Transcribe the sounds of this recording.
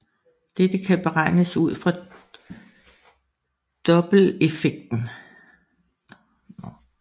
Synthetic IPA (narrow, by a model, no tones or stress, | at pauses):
d̥ed̥əkʰæb̥e̝ʁɑ̈ɪ̰nəsuð̞̰ˠfʁɑ̈ | d̥ɒ̽b̥l̩e̝feɡ̥̚d̥n̩